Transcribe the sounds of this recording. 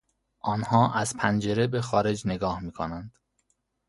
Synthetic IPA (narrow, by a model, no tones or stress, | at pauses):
ʔɒːnhɒːʔæz̥pʰænd͡ʒe̞ɾe̞be̞xɒːɾe̞d͡ʒne̞ɡɒːhmiːkʰonænd̪̥